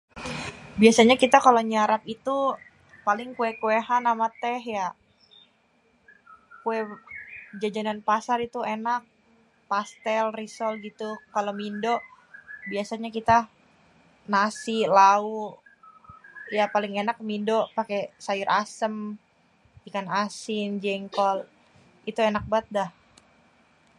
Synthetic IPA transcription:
biasaɲakit̪akaloɲaɾapit̪u | palɪŋkuɛkueɦanːamat̪ɛɦja | kuɛ | d͡ʒad͡ʒananpasarit̪uenak̚ | past̪ɛlrisɔlɡit̪ukalomindoʔ | biasaɲakit̪a | nasilau | japalɪŋenak̚mindopakesajʊɾʔasəm | dikanasɪnd͡ʒɛŋkɔl | it̪uenak̚bat̪̚dah

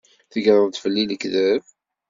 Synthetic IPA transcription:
θəɡɾˤəðt̪fəlːiləkðæv

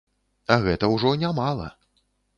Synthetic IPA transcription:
ɐɣɛt̪ɐwʐɔnʲamalˠɐ̰

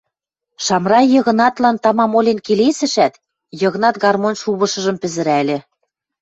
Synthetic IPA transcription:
ʃɑmrɑjɤ̆ɣɤ̆nɑt̪lɑnt̪ɑmɑmolʲenkelesɘ̆ʃæt̪ | jɤ̆ɣɤ̆nɑt̪ɡɑrmonʲʃuβɤ̆ʃɤ̆ʒɤ̆mpɘ̆zɘ̆ɾælʲĕ

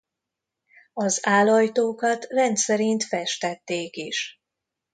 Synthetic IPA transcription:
ɒzaːlɒjt̪oːkɒt̪rɛnt̪sɛɾint̪fɛʃt̪ɛt̪ːeːkiʃ

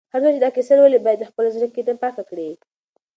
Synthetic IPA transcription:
haɾwut͡ʃed̪ɑkesalwalibɑjad̪ːəxpəlozɾəkːed̪ənpaxakɽi

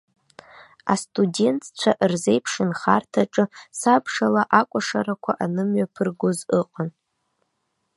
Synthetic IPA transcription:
a̰stʼude̞ntʰt͡ʃʷʰaʔrze̞jpʰʂɨnχartʰaʈ͡ʂʼɨsapʰʂalaʔakʷʼaʂaɾakʷʰa̰ʔanɨmɥapʰɨrɡʷozɨqʼan

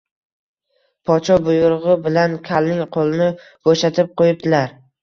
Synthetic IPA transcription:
pʰɒt͡ʃʰɒbʊjʊɾʁɨbɪlankʲʰalnɪŋqʰolˠɪnɪ | b̥oʃat̪ʰɪp̚qʰojɪp̚d̪ɪlaɾ

